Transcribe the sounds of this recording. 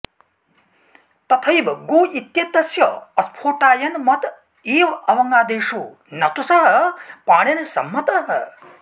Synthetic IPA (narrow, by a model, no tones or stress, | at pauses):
t̪ɐt̪ʰɐjbɡuːʔit̪jɐt̪ɐsjɐɐspʰoːʈaːjɐnmɐt̪ | iːʋɐʋɐŋɡaːd̪eːʂu | nɐt̪usɐɦɐ̆paːɽjɐnsɐ̰mːɐt̪ɐɦɐ